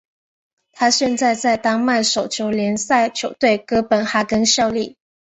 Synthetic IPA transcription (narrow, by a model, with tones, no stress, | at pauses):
t̪ʰa˥ɕɛ˥˧nt͡sa˥˧ɪt͡sa˥˧˩ɪt̪ɑ˥ŋma˥˩ɪʂo˨˩ʊt͡ɕʰjo˧˥ʊljɛ˧˥nsa˥˩ɪt͡ɕʰjo˧˥ʊt̪we˥˩ɪkɤ˥pə˨˩nxa˥kə˥nɕjɑ˥˧ʊli˥˩